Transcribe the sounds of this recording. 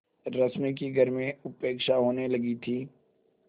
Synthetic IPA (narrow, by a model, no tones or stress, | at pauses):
ɾɐsmik̬iɡʱɐɾmẽʊpeːkʃaɦoːnelɐɡit̪ʰiː